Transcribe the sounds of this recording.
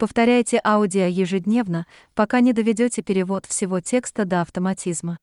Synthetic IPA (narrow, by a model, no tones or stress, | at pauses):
pəft̪ɐɾʲæjɪtʲɪʔaʊdʲɪəjɪʐɨdʲnʲe̞vnə | pɐkanʲɪd̪əvʲɪdʲotʲɪpʲɪɾʲɪvo̞t̪fsʲɪvo̞tʲe̞kst̪əd̪əɐft̪əmɐtʲizmə